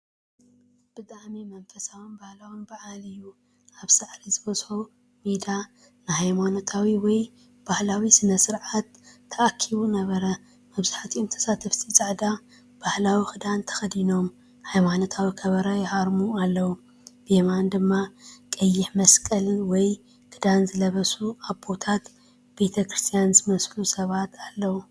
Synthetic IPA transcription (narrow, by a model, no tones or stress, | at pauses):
b̥ɨt̪ʼaʕmimɐnfɐsawunbahlawunbɐʕalɨjːu | ʔaβsaʕɾizɨbɐz̥ħu | mid̪a | nɨhajmanot̪ʰawiwɔj | b̥ahlawisɨnɐsɨɾʕat̪ʰːɐʔakʰːiβunɐβɐɾɐ | mɐβzaħat̪ʰiʔomt̪ʰɐ̥sat̪ʰɐft̪ʰit͡sʼaʕd̪a | b̥ahlawixɨd̪ant̪ʰɐ̥xɐd̪ino̞m | hajmanot̪ʰawikʰɐβɐɾɐjɪhaɾmualːɐwu | b̥emand̪ɨmːakʼɐjːɪħmɐskʼɐlɨnwɔj | kʰɨd̪anzɨlɐβɐsuaβbo̞t̪ʰat̪ | b̥e̞t̪ʰɐkɾɨst̪ʰijanzɨmɐslusɐβat̪ʰalːɐwu